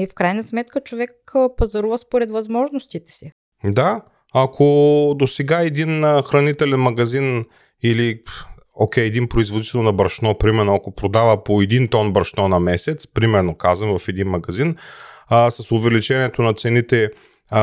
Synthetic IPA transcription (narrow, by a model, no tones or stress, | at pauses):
ifkɾajnɐsmɛt̪kət͡ʃovɛkpɐzɐɾuvəspoɾɛt̪vɐzmɔʒnost̪it̪ɛ̥si | d̪a | ɐkʰod̪osɛɡaɛd̪inxɾɐnit̪ɛlɛnmɐɡɐzin | ili | okʲɛjɛd̪inpɾoizvod̪it̪ɛlˠnɐbɐɾʃnɔpɾimɛɾnoɐkopɾod̪avəpoɛd̪int̪ɔnbɐɾʃnɔnɐmɛsɛt̪spɾimɛɾnokazvɐmvɐfɛd̪inmɐɡɐzin | sɐsʊvɛlit͡ʃɛniɛt̪onɐt̪sɛnit̪ɛ